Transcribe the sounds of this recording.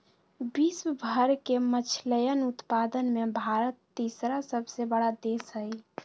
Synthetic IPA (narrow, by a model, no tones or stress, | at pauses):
biswəbʱəɾkemət͡ʃʰləjənut̪pad̪ənmebʱaɾət̪ːisɾasəbʱsebəɽad̪esɦəj